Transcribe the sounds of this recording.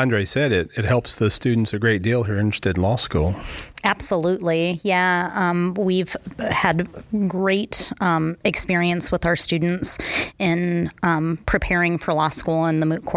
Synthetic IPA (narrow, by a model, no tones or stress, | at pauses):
æ̃ndɹeɪsɛɾɪɾɨt̚hɛlˠpsðɨstʉdⁿn̩tsɨɡɹeɪt̚d̥ilˠɦiɹɪ̃nɹ̥ɨ̥stɨdⁿn̩lɔskṵlˠæb̥səlutˡlijæʌ̃mwiv̥ɨdɡɹeɪɾʌ̃ɨkspɪɹiɨ̃nswəðaʊə˞stʉdⁿn̩tsɪ̃n | pʰɹ̥ipʰɛɹɪ̃ŋfə˞lɔskulˠə̃nðəmʉt̚kʰw̥ɔ